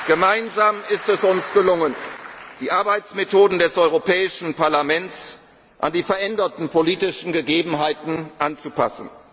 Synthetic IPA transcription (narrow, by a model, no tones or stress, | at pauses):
ɡ̥əmaɪnzaːmɪstɛsʊnsɡ̥əlʊŋənd̥iːʔaɐbaɪt͡smetʰoːdn̩dɛsʔɔʏʁopʰɛːɪʃn̩paɐlamɛns | ʔandiːfɛɐʔɛndɐtn̩pʰoliːtɪʃn̩ɡəɡeːbm̩ɦaɪtn̩ʔant͡supʰa̰sn̩